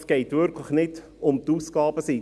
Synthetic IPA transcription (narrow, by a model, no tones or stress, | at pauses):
sɡ̥ɛɪt̪ʋʏɾkʰləχnɪt | ʊmt̪uːskɑːb̥əsi